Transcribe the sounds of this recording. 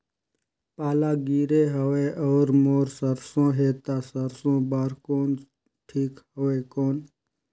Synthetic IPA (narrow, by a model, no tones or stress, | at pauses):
paːlaːɡiːɾeːɦəʋeːʔɔːɾmoːɾsəɾsõːɦeːt̪aːsəɾsõːbaːɾkoːn | ʈʰiːkhoːeːkoːn